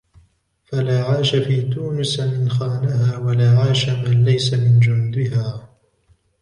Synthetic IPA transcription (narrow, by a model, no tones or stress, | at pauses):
falaːʕaːʃafiːt̪uːnʊsmɪnxaːnahaːwalaːʕaːʃamanlajsamɪnd͡ʒʊnd̪ɪɦaː